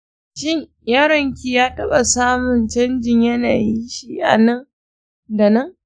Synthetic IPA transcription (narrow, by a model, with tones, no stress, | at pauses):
ʃɪ˦ɲ | jaː˦ɾɐ˨ŋkʲi˨jaː˦tɐ˦ɓa˨saː˦mʊ˨nt͡ʃɐ˦nd͡ʒɪ˨ɲjɐ˦na̰ː˨ji˦ʃi˦˨ʔa̰˨nɐ˦ŋ | da˨nɐ˦ŋ